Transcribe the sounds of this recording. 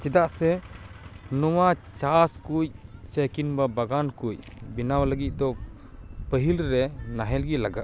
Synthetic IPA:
t͡ʃɛd̪aʔsɛ | nɔwat͡ʃaskuc̚t͡ʃəkinbabaɡankuc | binawləɡit̪̚ˀd̪ɔ | pəɦilɾɛnaɦɛlɡilaɡa

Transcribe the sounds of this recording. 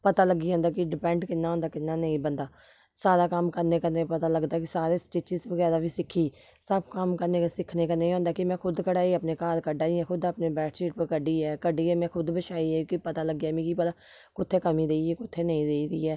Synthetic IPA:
pət̪aːləɡiːɦõːnd̪aːkɪɖɪpɛ̃ːɳʈkɪnːãːɦõːnd̪aːkɪnːaːnəĩːbənd̪aː | saːɾaːkəmkəɾneːkəɾneːpət̪aːləɡd̪aːkɪsaːɾeːsʈeːt͡ʃɪzbəɡɛːɾaːʋiːsɪkʰːiː | səb̚kəmkəɾneːsɪkʰneːkənə̃ĩːɦõːnd̪aːkɪmɛ̃ːkʰʊd̪kəɽaːiːəpneːkaːlkəɖaːiɛ̃ːkʰʊd̪əpneːbɛːʈsiːʈpəkəɖiːɛːkəɖiːɛːmɛ̃ːkʰʊd̪bəʃaːiːɛːkɪpət̪aːləɡɛːmĩːkipət̪a | kʊt̪ʰːeːkəmĩːd̪eːiɛːkʊt̪ʰːeːnəĩːd̪eːiːd̪iːɛː

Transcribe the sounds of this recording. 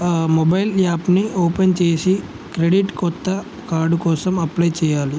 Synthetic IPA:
mobɐjlaːpnioːpent͡ʃeːsi | kɾeɖiʈkɔt̪ːɐ | kaːɾɖukɔːsɐmɐplɐjt͡ʃɛːjaːli

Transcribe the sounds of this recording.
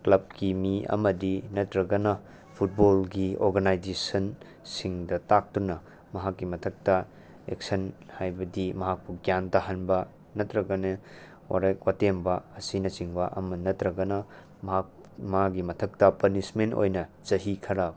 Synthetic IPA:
klɐb̚kimiɐ̰mɐdinɐtɾɐɡɐnɐ | pʰut̚bolɡioɾɡanajd͡ʒesɐn | siŋdɐtak̚tunɐ | mɐɦakːimɐtʰɐk̚tɐ | ek̚sɐnhajbɐdimɐɦak̚puɡjantaɦanbɐ | nɐtɾɐɡɐne | wa̰ɾɐkwatembɐɐsinɐt͡ʃiŋbɐʔɐmɐnɐtɾɐɡɐnɐ | mɐa | mɐhak̚ɡimɐtʰɐk̚tɐpɐnismento̰jnɐ | d͡ʒɐɦikʰɐɾa

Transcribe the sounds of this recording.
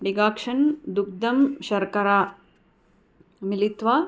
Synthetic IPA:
ɖiɡaːkʂɐnd̪uk̚d̪ɐmʃɐɾkɐɾaː | milit̪ʋaː

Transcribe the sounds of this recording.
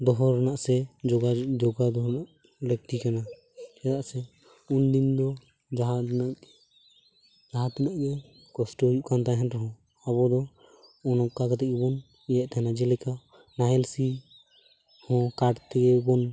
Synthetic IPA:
d̪ɔɦɔɾnaʔsɛd͡ʒɔɡad͡ʒɔɡad̪ɔɦɾnaʔ | lɛk̚t̪ikana | ɛd̪aʔsɛ | und̪ind̪ɔ | d͡ʒaɦana | d͡ʒaɦãt̪ɛnaʔɡɛ | kɔsʈɔɦjuʔkant̪aɦɛnɾɔɦɔ̃ | abɔd̪ɔ | ɔnɔkːaɡat̪ɛkɛbɔn | ijɛʔt̪aɦɛnad͡ʒɛlɛka | naɦɛlsi | hɔ̃kaʈt̪ɛkɛbɔn

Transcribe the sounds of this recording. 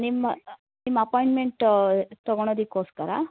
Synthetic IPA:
nimːɐ | nimːɐpoːjiɳʈmeɳʈt̪ɐɡɔɳ̃oːd̪ikːoːskɐɾɐ̰

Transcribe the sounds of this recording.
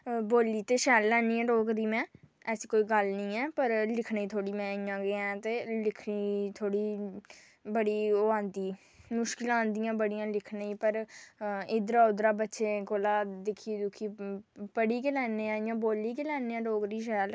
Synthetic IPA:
boːliːt̪eːʃɛːlːɛːniːɛ̃ːɖoːɡd̪iːmɛ̃ːɛskoːiːɡəlnəĩːɛːpəɾlɪkʰnːiːt̪ʰoːɽiːmɛ̃ːiːãːɡeɛ̃ːt̪eːlɪkʰniːt̪ʰoːɽiː | bəɽiːoːãːnd̪iː | mʊʃkɪlãːnd̪ijãːbəɽɪjãːlɪkʰnaːiːpəɾ | ɪd̪ɾaːʊd̪ɾaːbətːʃeːkoːlaːd̪ɪkʰːiːd̪ʊkʰiːpəɽiːkeːlɛːneːãːijãːboːlːiːkelɛːneːãːɖoːkd̪iːʃ̬ɛːl

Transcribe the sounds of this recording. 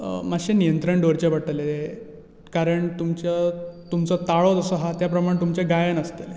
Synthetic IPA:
maɕenijənt̪ɾəɳɖoɾt͡ɕeʋaʈəlee | kaɾəɳt̪umt͡ɕət̪umt͡sɔt̪aɭod͡zəsəɦat̪japɾəmaɽẽt̪umt͡ɕeɡajənəst̪əl

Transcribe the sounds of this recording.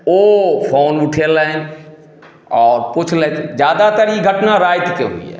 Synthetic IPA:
oːfʰoːnʊʈʰele | ɔːɾpʊt͡ʃʰled͡ʒjaːd̪at̪əɾiɡʱəʈnaɾaːɪt̪keɦʊ̰ḭɦɛ̰ː

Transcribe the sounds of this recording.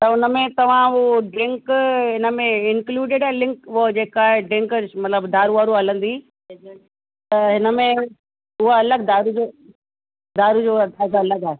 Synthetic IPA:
t̪ɐʊnəmẽt̪ɐʋ̤ãoɖɾɪ̃ŋkɦɪnə̆mẽɪnkluːɖɪɖaɦelɪ̃ŋkʊod͡ʑeːkaːɦeɖɾɪ̃ŋkəmɐt̪ləbd̪aːɾuʋaːɾuɦɐlə̃nd̪iː | t̪ɐɦɪnəmẽ | ʊɦaɐləɡ̚d̪aːɾud͡ʑoː | d̪aːɾud͡ʑoːɐd̪aːzaɐləɡaːe

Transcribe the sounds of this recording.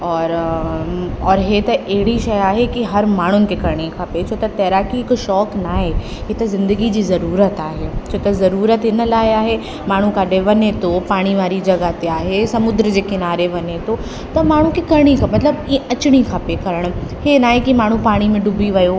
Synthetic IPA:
ɔːɾ | ɔːɾɦet̪ɐʔɛɦɪɽ̤iʃɐjaːɦekiɦɐɾmaːɳ̤ʊnɪ̆kekɐɾɽ̃ikʰaːpet͡ɕʰoːt̪ɐt̪ɛːɾaːkikʃɔːknaːɦe | ɦet̪ɐzɪ̃nd̪əɡid͡ʑiːzɐɾuːɾət̪aːɦeːt͡ɕʰoːt̪ɐzɐɾuːɾət̪ɪnəlaːjaːɦe | maːɳ̤ũkaːɖeʋɐnet̪opaːɽ̃iʋaːɾid͡ʑɐɡat̪eaːɦesɐmʊd̪ɾəd͡ʑeːkɪnaːɾeʋɐnet̪o | t̪ɐmaːɳ̤ũkikɐɾɽ̃ikʰamɐt̪ləbiɐt͡ɕɽ̃ikʰaːpekɐɾəɽ̃henaːɦekimaːɳ̤ũpaːɽ̃imẽɖʊbʱiʋɐjo

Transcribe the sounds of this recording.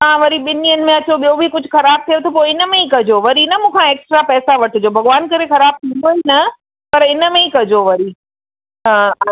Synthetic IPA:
mãʋɐɾiɓɪniənɪ̆mẽɐt͡ɕoɓijobʱikʊd͡ʑʱʊxɐɾaːb̚t̪ʰijot̪ʰopoːɪnə̆mẽikɐd͡ʑoʋɐɾinɐmũːkʰãeːksʈɾapɛːsaʋɐʈʰɪd͡ʑoːbʱɐɡʋaːnkɐɾexɐɾaːb̚t̪ʰĩːn̆d̪oɦinɐ | pɐɾɪnə̆mẽikɐd͡ʑoʋɐɾi | ɦãː

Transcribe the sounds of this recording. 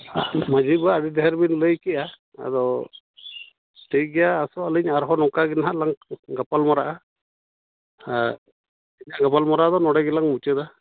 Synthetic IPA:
a̰mad͡ʒibaːɖid̪ɛɦɛɾbinləjkɛʔa | a̰d̪ɔ | ʈəjɡɛjaːsɔaliɲaɾɦɔnɔkaɡɛnaɦalaŋɡapalmɔɾaʔa | a | iɲaɡapalmɔɾad̪ɔnɔɽɛɡɛlaŋmut͡ʃɛd̪a

